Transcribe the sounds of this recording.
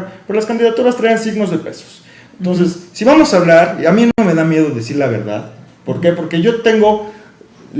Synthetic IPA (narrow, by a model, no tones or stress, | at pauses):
pezlaskand̪iðat̪uɾast̪ɾajansiɣno̞zðepe̞so̥s | ent̪o̞ns̬esːiβamo̞saːβlaɾamĩnome̞ðamje̞ð̞o̞ðesiɾlaβ̞e̞ɾða̰ð | po̞ɾke̞po̞ɾke̞ʝo̞t̪e̞ŋɡo̞ | l